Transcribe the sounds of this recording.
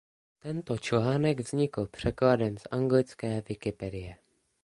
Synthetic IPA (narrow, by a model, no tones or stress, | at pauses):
t̪ɛnt̪ot͡ʃlaːnɛɡvz̥ɲɪkl̩pr̝̥ɛkladɛnsʔaŋɡlɪt͡skɛːvɪkɪpɛdɪjɛ